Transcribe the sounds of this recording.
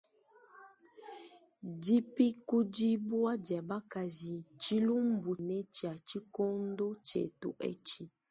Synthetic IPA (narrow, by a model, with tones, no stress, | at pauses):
d͡ʒi˦pi˦ku˦d͡ʒi˦bu˦a˦d͡ʒɛ˨ba˦ka˨zi˨t͡ʃi˦lu˦m̩˦bu˨ne˦t͡ʃi˨a˨t͡ʃi˦ko˦n˦do˦t͡ʃḛ˨tṵ˨ʔɛ̰˦t͡ʃi˨